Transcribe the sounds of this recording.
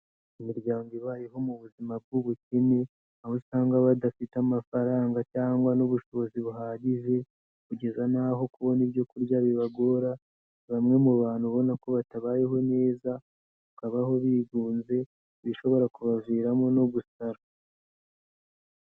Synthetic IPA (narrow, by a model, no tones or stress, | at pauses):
umuɾɟaːŋɡiβajeɦo̞muβuzimab̚ɡuβucine | aβosaːŋɡaβadafitamafaɾaːŋɡacaːŋɡwanuβuʃo̞βoziβuɦaːɟiʒe̞ | kuɟe̞zanaɦo̞kuβo̞niβjo̞kuɾɟaβiβaɡo̞ɾa | βamŋe̞muβaːn̥huβo̞nako̞βataβaːjeɦo̞ne̞ːza | βakaβaho̞βiːɡuːnze̞ | βiʃo̞βo̞ɾakuβaviːɾamonoβusaɾa